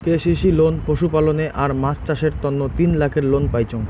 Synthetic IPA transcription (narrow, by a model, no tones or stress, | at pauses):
keʃiʃilonpoʃupaloneʔʔaɾmat͡ɕt͡ɕaʃeɾt̪ɔnːot̪inlakʰeɾlonpajt͡ɕʰoŋ